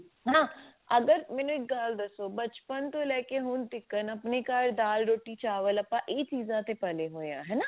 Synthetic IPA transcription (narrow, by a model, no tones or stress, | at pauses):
ɦãːɐɡəɾmɪnɪʈ̚ɡaːld̪ɐsobɐt͡ʃpənt̪olɛːkeɦoːnt̪ɪkːənɐpnikaːɾd̪aːlɾoːʈit͡ʃaːʋəlɐpːãʔeːtiːzãt̪epɐleɦoːjã̰ːɦɛːna